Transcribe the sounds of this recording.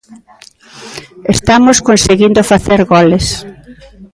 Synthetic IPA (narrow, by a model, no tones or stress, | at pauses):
est̪amoskonseɣind̪ofaθeɾɣɔles